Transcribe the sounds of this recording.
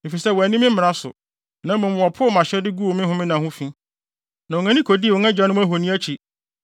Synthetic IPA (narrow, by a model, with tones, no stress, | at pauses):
e˨fi˨sɛ˦wɔ˨æ˨nĩ˦mɪ̃˦m̩˦m˨ɾa˦sʊ̰˨ | nã˨˦mã˨m˨ɔ˨pʰʊ˦ɔ˦mã˨ɕɛ˦dɪ˦ɡu˦o˨mɪ̃˦ɦʊ̃˦mɪ̃˦nã˨hʊ̃˦fĩ˦ | nã˨ɔ̃˨ŋã˦nĩ˦kʰo˨di˦˨wɔ̃˨ŋã˦d͡ʑᶣã˦nʊ̃˦æ˦ɦo˨nĩ˦æ˦t͡ɕʰi˨